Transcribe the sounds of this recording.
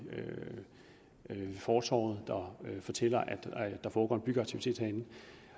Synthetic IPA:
ø | fɒːsɒ̰ːð̩ˠd̥ɑ̈fɒ̽t͡sʰel̰ɐʔæd̥d̥ɑ̈fɒːɡ̥ɒ̰ːnb̥yɡ̥ɐɑ̥̈t͡sʰiʋit͡sʰe̝̰ːd̥hæenn̩

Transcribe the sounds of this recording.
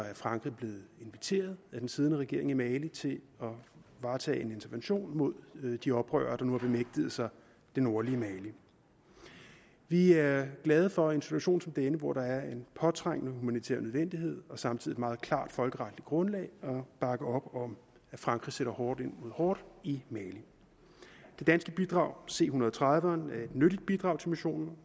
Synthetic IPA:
æɐfʁɑ̈ŋɡ̥ʁib̥le̝ːð̩ˠe̝nʋit͡sʰe̝̰ːɐð̩ˠæd̥ensiːð̞ˠənəʁɛɡ̥e̝ɐe̝ŋimɛːlit͡sʰe̝l | ɒ̽ʋɑ̈ːt͡sʰɛ̰ːe̝ne̝nt͡sʰɐʋenɕo̝̰ːnmo̝ð̰ˠd̥iɒ̽b̥ʁœ̰ːɐːd̥ɑ̈nuhæb̥e̝meɡ̥̚d̥əð̞̩ˠsɑ̈ɪ | d̥eno̝ɐliəmɛli | ʋiæɐɡ̥lɛːð̞ˠəfɒ̽e̝nsit͡sʰuɕo̝̰ːnsɒ̽md̥enəʋɒɾ̥ɑ̈æɐe̝npʰɒ̽t͡sʰʁaŋ̰ənəhumænit͡sʰḛɐnøð̞ˠʋen̰d̥ihe̝ð̞̰ˠɒ̽sɑ̈mt͡sʰiðiedmɑ̈ːð̞̩ˠkʰlɑ̰̈ːd̥fɒ̽lɡ̥əʁɑ̈d̥lid̥̚ɡ̥ʁɔ̽nlɛ̰ːɪɒ̽b̥ɑ̈ɡ̥əɒ̽b̥ɒ̽m | æfʁɑ̈ŋɡ̥ʁi̥seɾ̥ɐhɒːd̥e̝n̰mo̝ðˠhɒːd̥imɛːli | d̥e̝d̥ænsɡ̥əb̥id̥ʁɑ̈ʊ̰se̝̰ːhunɐðˠt͡sʰʁɑðˠʋɐnæɐe̝d̥nøɾ̥id̥̚b̥id̥ʁɑ̈ʊt͡sʰelmiɕo̝̰ːnn̩

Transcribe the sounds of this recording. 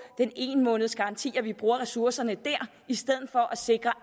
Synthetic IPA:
d̥ene̝̰ːnmɔ̽ːnəð̞̩ˠsɡ̥ɑ̈ɑ̈nt͡sʰḭːɐʋib̥ʁuːɐʁɛsuɐsɐnəd̥æɐ̰ | isd̥eð̞̰ˠð̩ˠfɒ̽ʔæse̝ɡ̥ʁɐ

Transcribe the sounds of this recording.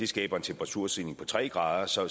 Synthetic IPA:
e̝sɡ̥ɛ̰ːb̥ɐent͡sʰemb̥ʁɑ̈t͡sʰuɐ̰sinɪ̝ŋpʰɒ̽t͡sʰʁɛ̰ːɡ̥ʁɑ̈ːð̞ˠɐsɒ̽

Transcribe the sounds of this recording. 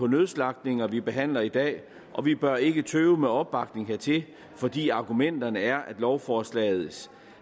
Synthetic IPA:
ɒ̽nøðˠslɑ̈ɡ̥̚d̥ne̝ŋɐʋib̥e̝ɦæn̰lɐid̥ɛ̰ː | ʔɒ̽ʋib̥ɶɐe̝ɡ̥ət͡sʰøːʊmeɒ̽b̥ːɑ̈ɡ̥ne̝ŋɦeɐt͡sʰe̝ | fɒ̽d̥ḭːɑ̈ɡ̥umen̰d̥ɐnəæɐʔæd̥lɒʊfɒːslɛ̰ːð̞̩ˠs

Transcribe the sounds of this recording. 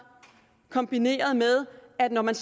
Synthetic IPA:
kʰɒ̽mb̥ine̝̰ːɐð̞ˠmeð̞ˠæd̥nɒmæns

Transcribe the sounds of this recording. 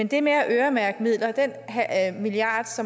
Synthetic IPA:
end̥e̝meæʔøːɐmæɐɡ̥mið̞̰ˠlɐd̥en̰ɦmiliɑ̈ːd̥sɒ̽

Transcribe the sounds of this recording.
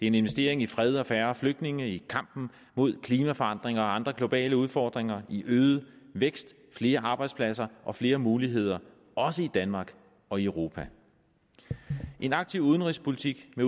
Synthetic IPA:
d̥e̝ɐe̝ne̝nʋe̝sd̥e̝̰ɐ̰eŋifʁɛð̞ˠɒ̽fæːɐfløɡ̥̚d̥ne̝ŋəikʰɑ̈m̰b̥n̩ | mo̝ð̞̰ˠkʰliːmæfɒ̽ɑ̈n̰d̥ʁeŋɐɒɑ̈nd̥ʁɐɡ̥lo̝b̥ɛ̰ːləuð̞ˠfɒːd̥ʁeŋɐʔiʔøːð̩ˠəʋeɡ̥sd̥ | fle̝ːɐʔɑ̈b̥ɑ̈ɪd̥spʰlæsɐʔɒ̽fle̝ːɐmuːliɦe̝ð̞̰ˠɐ | ʔɒ̽səid̥ænmɑ̈ːɡ̥ | ɒ̽iəʊʁo̝ːpʰæ | ʔe̝nɑ̈ɡ̥̚t͡sʰiʊuð̞ˠənʁispʰo̝lit͡sʰiɡ̥me

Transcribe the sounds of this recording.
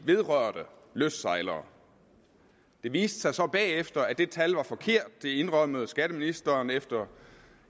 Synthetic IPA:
ʋe̝ð̞ˠʁœɐ̰d̥ə | løsd̥sɑ̈ɪlɐː | d̥e̝ʋḭːsd̥ə̥sɑ̈ɪsɒ̽b̥ɛ̰ːefd̥ɐæd̥e̝t͡sʰælʋɑ̈fɒ̽kʰe̝ɐ̰d̥̚ːe̝e̝nʁœməð̩ˠsɡ̥æɾ̥əminisd̥ɐːnefd̥ɐ

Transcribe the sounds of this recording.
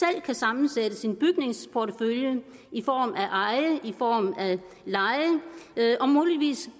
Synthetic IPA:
el̰kʰæsɑ̈mn̩sed̥əsinb̥yɡ̥ne̝ŋspʰoɾʰəføljə | ifɒ̰ːmæʔɑ̈ɪəʔifɒ̰ːmæ | lɑ̈ɪəʔɒ̽muːliʋḭːs

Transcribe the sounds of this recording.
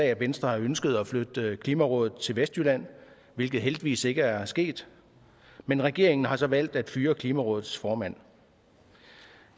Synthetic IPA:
ɛæʋensd̥ʁɐhɑ̈ønsɡ̥əð̞̩ˠɒflød̥əkʰliːmæʁɔ̽ːðˠð̩ˠt͡sʰe̝lʋesd̥ylæn̰ | ʋe̝lɡ̥ð̩ˠɦeld̥iʋḭːse̝ɡ̥əæɐsɡ̥e̝̰ːd̥ | menʁɛɡ̥e̝ɐe̝ŋn̩ɦɑ̈sɒ̽ʋæl̰d̥æd̥fyːɐkʰliːmæʁɔ̽ːð̩ˠsfɒːmæn̰

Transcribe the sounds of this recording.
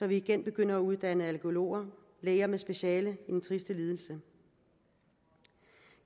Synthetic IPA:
sɒ̽ʋiːɡ̥enb̥e̝ɡ̥øn̰ɐæuð̞ˠd̥ænəælkʰo̝lo̝̰ːɐ | leɪɐmesb̥e̝ɕɛːləid̥en̩t͡sʰʁisd̥əliːð̞ˠl̩sə

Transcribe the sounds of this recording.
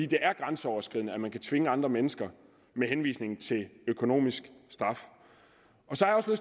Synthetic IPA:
ḭːd̥e̝ʔæɐɡ̥ʁɑ̈nsəɒʊɐsɡ̥ʁið̰ˠnəæmænkʰæt͡sʰʋe̝ŋəɑ̈nd̥ʁɐmenəsɡ̥ɐ | meɦenʋḭːsne̝ŋn̩t͡sʰe̝løkʰo̝no̝̰ːmisɡ̥sd̥ʁɑ̈f | ɒ̽sɒhæ̈jɒ̽sløs

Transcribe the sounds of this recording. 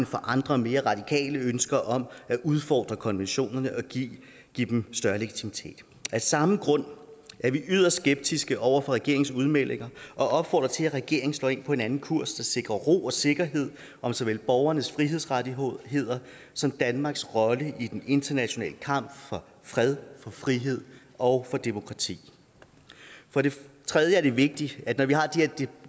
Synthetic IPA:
nfɒ̽ʔɑ̈nd̥ʁɐme̝ːɐʁɑ̈d̥ikʰɛ̰ːləønsɡ̥ɐʔɒ̽mæʔuð̞ˠfɒ̰ːd̥ʁɐkʰɒ̽nʋenɕo̝̰ːnɐnəʔɒ̽ɡ̥ḭː | ɡ̥id̥emsd̥ɶɐle̝ɡ̥i̥t͡sʰimit͡sʰe̝̰ːd̥ | æsɑ̈m̩ɡ̥ʁɔ̽n̰ʔæɐʋiʔyð̰ˠɐssɡ̥eb̥̚d̥isɡ̥əʔɒʊɐfɒ̽ʁɛɡ̥e̝ɐ̰eŋsuð̞ˠmel̰e̝ŋɐʔɒ̽ʔɒ̽b̥fɒ̰ːd̥ʁɐt͡sʰe̝læʁɛɡ̥e̝ɐ̰eŋn̩slɔ̽ːe̝npʰɒ̽e̝nænn̩kʰuɐ̰sd̥ɑ̈se̝ɡ̥ʁɐʁo̝̰ːɒ̽se̝ɡ̥ɐɦe̝ð̞̰ˠ | ʔɒ̽msɒ̽ʋel̰b̥ɒʊɐnəsfʁiɦe̝ðˠsʁadihe̝ð̞̰ˠɐ | sɒ̽md̥ænmɑ̈ːɡ̥sʁɒ̽ləid̥ene̝nd̥ʰɐnæɕo̝nɛ̰ːləkʰɑ̈m̰b̥fɒ̽ | fʁɛð̞ˠfɒ̽fʁiɦe̝ð̞̰ˠ | ɒ̽ʊfɒ̽d̥e̝mo̝kʰʁɑ̈t͡sʰḭː | fɒ̽ɾe̝t͡sʰʁɛðˠjəæɐd̥e̝ʋe̝ɡ̥̚d̥iæ̥nɒʋiɦɑ̈d̥eheɐd̥e

